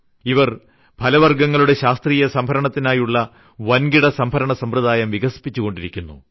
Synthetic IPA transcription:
iʋɐr | pʰɐlɐʋɐrɡɐŋːɐɭuɽe̞ɕaːst̪riːjɐsɐmbʱɐɾɐɳɐt̪ːinaːjuɭːɐ | ʋɐnɡiɽɐsɐmbʱɐɾɐɳɐsɐmrɨðaːjɐmʋiɡɐsi̥pːit͡ɕːuɣo̞ɳɖiɾikʲːunːṵ

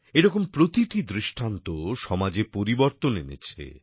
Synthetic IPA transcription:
eɾɔkompɾot̪iʈid̪ɾiʃʈʰant̪oʃɔmad͡ʑepoɾiboɾt̪onḛnḛt͡ɕʰḛ

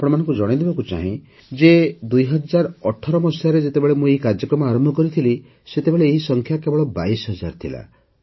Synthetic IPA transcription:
apɔɽ̃ɔmanɔ̃ŋkud͡ʒɔɽ̃id̪ebakut͡ʃa̰ɦĩ | d͡ʒed̪ujɦɔd͡ʒaɾɔʈʰɔɾɔmɔsjaɾed͡ʒet̪ebeɭemũeɦikaɾd͡ʒjɔkɾɔmɔaɾɔmbʱɔkɔɾit̪ʰili | set̪ebeɭeːɦisɔŋkʰjakebɔɭɔbajsɦɔd͡ʒaɾt̪ʰila̰

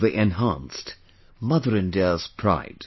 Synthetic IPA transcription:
ðiʔɛ̃nɦãnst | mʌðəɹɨ̃ndɛz̥pʰɹ̥a̰ɪd̥

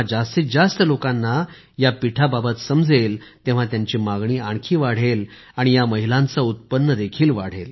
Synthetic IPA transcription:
d͡zast̪it͡sd͡zast̪əlokãnːa | japiʈʰababət̪səmd͡zelt̪ẽʋ̤at̪jaɲt͡ɕiːmaɡɳiːaɳ̃kʰiːʋaɽ̤el | aɽ̃ijaməɦilãnt͡saut̪̚pənːəd̪ekʰiːlʋaɽ̤el

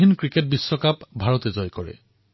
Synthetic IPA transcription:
inkɹiket̚bisːɔkapbʱaɹɔt̪ezɔjkɔɹɛ̰

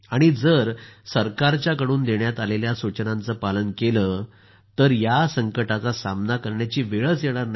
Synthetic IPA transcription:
aɽ̃id͡zəɾsəɾkaɾt͡ɕjakəɽuːnd̪eɳjat̪aleljasut͡ɕnãnt͡səpalənkeləː | t̪əɾjasəŋkəʈat͡sasamnakəɾɳjat͡ɕiːʋeɭət͡sjeɽ̃aɾn

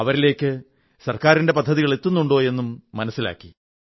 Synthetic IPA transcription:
ɐʋɐɾile̞ːkʲːɨ | sɐrkaːɾinde̞pɐd̪ʱːɐðiɣɐɭet̪ːunːuɳɖo̞ːje̞nːumːɐnɐsːila̰ːkːi̥

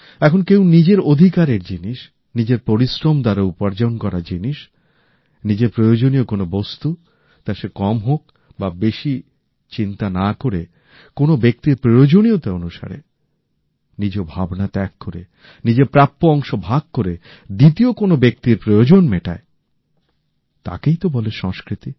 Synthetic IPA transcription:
ɛkʰonkewnid͡ʑeɾod̪ʱikaɾeɾd͡ʑiniʃ | nid͡ʑeɾpoɾisɾomd̪aɾoupaɾd͡ʑaonkɔɾad͡ʑiniʃ | nid͡ʑeɾpɾojod͡ʑoniokonobost̪u | t̪aʃekɔmɦok | babeʃi | t͡ɕint̪anakoɾe | konobek̚t̪iɾpɾojod͡ʑoniot̪aonuʃa̰ɾḛ | nid͡ʑobʱabnat̪ɛkːoɾḛ | nid͡ʑeɾpɾap̪̚ːoɔŋʃobʱaɡ̚koɾe | d̪it̪iokonobek̚t̪iɾpɾojod͡ʑonmeʈa̰e | t̪a̰kejt̪obɔleʃɔŋskɾit̪i

